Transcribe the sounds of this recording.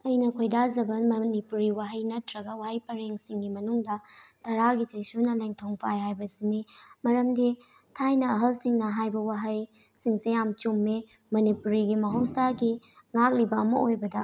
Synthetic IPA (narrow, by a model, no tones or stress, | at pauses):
ɐjnɐkʰojdad͡ʒɐbɐmɐnipuɾiwaɦɐjnɐtʰɾɐɡɐwahɐjpɐɾeŋsiŋɡimɐnuŋdɐtɐɾaɡit͡ʃɐjsunɐleŋtʰoŋpʰajɦajbɐsinimɐɾɐmdi | tʰajnɐɐɦɐlsiŋnɐɦajbɐwaɦɐj | siŋsejamt͡ʃumːe | mɐnipuɾiɡimɐɦɐwsaɡi | ŋak̚libɐɐmɐ̰ojbɐdɐ